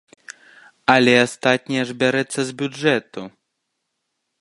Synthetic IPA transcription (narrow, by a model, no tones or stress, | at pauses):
alʲɛast̪at̪̚ʲnʲijɐʐbʲaɾɛt̪sːɐzʲbʲuɛt̪u